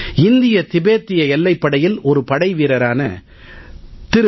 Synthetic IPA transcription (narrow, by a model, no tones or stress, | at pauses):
ɪnd̪ɪjɐt̪ɪbeːt̪ːɪjɐɛlːɐɪpːɐɽɐjɪlɔɾɯpɐɽɐɪʋiːɾɐɾaːnɐ̰ | t̪ɪɾ